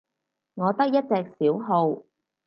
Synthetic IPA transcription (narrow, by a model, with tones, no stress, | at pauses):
ŋɔː˨˧t̪ɐ˥k̚jɐ˥t̚t͡sɛː˧k̚siː˨˥wɦo˧w